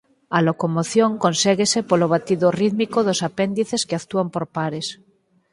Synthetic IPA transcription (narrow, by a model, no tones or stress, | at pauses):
alokomoθjõŋkonseɣesepoloβ̞at̪iðoriðmikoðosapend̪iθeskeakt̪uampoɾpaɾes